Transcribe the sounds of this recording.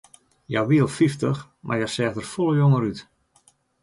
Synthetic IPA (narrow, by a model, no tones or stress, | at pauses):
jawʋiəlˠfiftəx | mʔa̰rjasɛːxdərfolˠəjoŋəɾyt